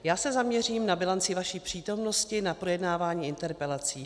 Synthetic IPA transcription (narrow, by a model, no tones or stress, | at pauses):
jaːsɛzamɲɛriːmnabɪlant͡sɪvaʃiːpr̝̥iːt̪o̞mno̞scɪnapɾo̞jɛdnaːvaːɲiːɪnt̪ɛɾpɛlat͡siː